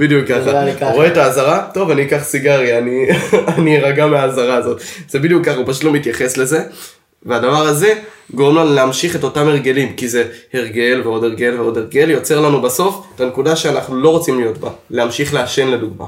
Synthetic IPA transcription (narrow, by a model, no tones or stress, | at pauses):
b̥id̪jukaχaʁoetaːzaʁato̞vaniːkaχsiɡaʁianianiʁaɡameaːzaʁaːzo̞tz̥ebid̪ijukːaχaupaʃ̬utlo̞mitjaχe̞sle̞ze̞ | veadavaʁaze̞ | ɡo̞ʁemlanuleamʃiχe̞to̞tame̞ʁɡe̞limkize̞eʁɡe̞lveo̞de̞ʁɡe̞lveo̞de̞ʁɡe̞ljo̞t͡se̞ʁlanubaso̞fetanekudaʃeanaχnulo̞ʁo̞t͡simlijo̞tbaleamʃiχleaʃe̞nle̞duɡma̰